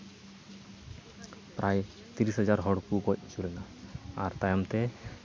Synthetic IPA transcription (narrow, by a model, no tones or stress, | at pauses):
pɾʔaj | t̪iɾisɦad͡ʒaɾɦɔɽkukɔc̚t͡ʃulɛnaaɾt̪ajamt̪ɛ